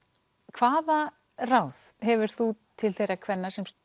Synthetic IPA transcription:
kʰvaːða | raːwðɦɛvʏɾ̥θut̪ʰɪlθejɾakʰvɛnːasɛms

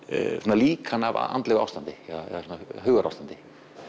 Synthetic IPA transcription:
sɔnːaliːkʰanava̰a̰nt̪lɛɣa̰wst̪ant̪ɪɛðaɛ̰ðasɔnaɦʏːɣaɾawft̪ant̪ɪ̥

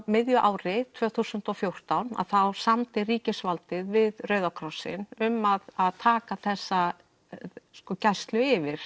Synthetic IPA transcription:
mɪðjʏʔaːwɾɪt̪ʰvœːθusʏnt̪ɔfjowr̥t̪awna̰ðθawsamt̪ɪriːcɪsvalt̪ɪðvɪðrœɥðawkʰɾawsɪ̰nʏmaðaðt̪ʰaːkaθɛsːa | skɔcajst̪lʏɪvɪɾ̥

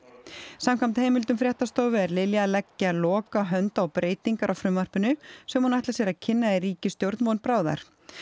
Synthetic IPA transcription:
samkʰamt̪hejmɪlt̪ʏmfɾjɛht̪ast̪oːwvʏɛɾlɪljalɛcːalɔːkaɦœnt̪aɔwpɾeːjt̪iŋkaɾʔawfɾʏmːar̥pʏnʏsɛmhunaht̪lasjɛɾacʰɪnːaðɪɾiːcɪst̪jowɾt̪nmownpɾaːwða̰ɾ̥

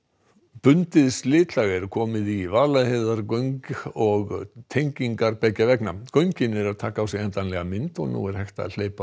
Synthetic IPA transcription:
pʏnt̪ɪðslɪːt̪laɣɛɾkʰɔːmɪðivaːlaðheðaɾkœɥŋkɔɣt̪ʰejɲciŋkaɾpɛjcːavɛknakœɥɲcɪnɛɾaðt̪ʰaːkaːwsjɛɛnt̪anlɛɣamɪnt̪ɔɣnṵːɛɾ̥hɛjxt̪a̰ðl̥eːjpa

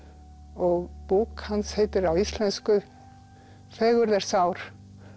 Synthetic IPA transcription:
ɔɣpuːkhansheːjt̪ɪɾawist̪lɛnskʏ | θɛːɣʏɾðɛɾ̥sawɾ̥

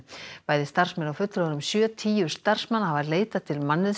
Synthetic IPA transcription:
paːjðɪst̪ar̥smɛnawfʏt̪lɾanʏmsjœːt̪ʰiːjʏ̥st̪ar̥smanːhavaɾleːjt̪at̪ʰɪlmanːɪ

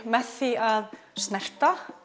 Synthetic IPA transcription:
mɛθɪað | snɛɾ̥t̪a

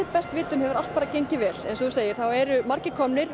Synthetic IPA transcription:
ɪpɛst̪vɪːt̪ʏmhɛvʏɾalt̪̚paːɾacejɲcɪvɛːlɛnsθuseːjɪɾ̥θawɛɾʏmaɾ̥cɪkʰɔmnɪɾ̥

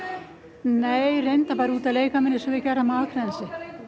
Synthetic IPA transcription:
neːjrejnt̪apaːɾɪuːt̪aðleːjkamɛnːɪsɛvɪcɛramaːkʰɾɛnsɪ

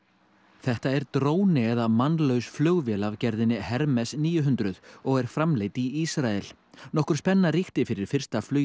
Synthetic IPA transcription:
θɛht̪aɛɾt̪ɾoːwnɪɛðamanːlœwsflœɣvjɛːlavcɛɾðɪnːɪhɛɾmɛsniːjʏɦʏnt̪ɾʏðɔɣɛɾ̥fɾamleːjt̪iisɾaɛl | nɔhkʏɾ̥spɛnːariht̪ɪfɪɾɪɾ̥fɪr̥st̪aflœː

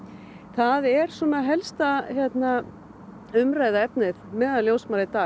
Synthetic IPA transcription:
θaðɛɾ̥sɔmaðɦɛlst̪açjɛt̪na | ʏmɾaːjðaɛpnɪðmɛːðaðljowsmaːɾɪt̪aː

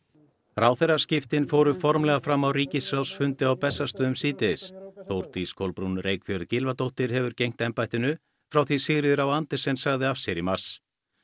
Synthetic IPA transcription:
raːwθeɾḁscɪft̪ɪnfoːwɾʏfɔɾmlɛɣafɾamːawriːcɪsɾawsfʏnt̪ɪawpɛsːast̪œːðʏmsiːt̪ɪɪsθowɾ̥t̪iskʰowlpɾunreːjkfjœɾðcɪlvat̪owht̪ɪɾ̥ɦɛvʏɾcejŋ̥t̪ɛmpajht̪ɪnʏ | fɾawθisɪɣɾɪðʏɾawant̪ɪɾ̥sɛmsaɣðɪafsjɛɾimar̥s

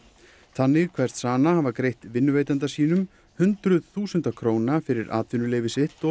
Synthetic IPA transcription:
θanːɪɣkʰv̥ɛr̥t̪saːnahavakɾejht̪vɪnːʏvejt̪ant̪asiːnʏm | hʏnt̪ɾʏðθuːsʏnt̪akʰɾoːwnafɪɾɪɾʔa̰ːt̪ʰvinʏleːjvɪsɪht̪ɔ

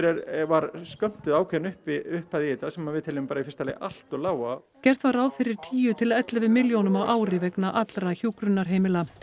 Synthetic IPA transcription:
ɾɛɾvaɾskœm̥t̪ʏðaːwkʰvɛnʏhpɪʏhpaðiiːt̪asɛmavɪðt̪ʰɪlɪmɪmpaːɾaifɪ̥rst̪alɛ̰ɣal̥t̪ɔɣlaːwa | cɛr̥t̪vaɾawfɪɾɪɾ̥t̪ʰiːjʏt̪ʰɪlaɛt̪lavɪðmɪljownʏmawʔaːwɾɪvɛknaʔat̪lɾaçuːkɾʏnːaɾ̥ɦeːjmɪla

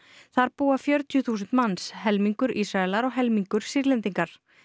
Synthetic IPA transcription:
θaɾpuːafjœɾt̪jʏθuːsʏnt̪mansɦɛlmiŋkʏɾʔisɾaɛlaɾɔɣɦɛlmiŋkʏɾ̥sɪɾlɛnt̪iŋkaɾ̥

